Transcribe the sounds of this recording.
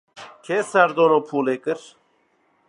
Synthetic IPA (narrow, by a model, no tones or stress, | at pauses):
kʰesæɾd̪onoːpʰuːleːkɨɾ